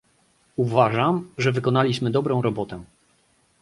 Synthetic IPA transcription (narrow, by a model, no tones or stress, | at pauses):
uvaʐamʐɛvɘkɔnalʲiɕmɘd̪ɔbɾɔ̃w̃ɾɔbɔt̪ɛ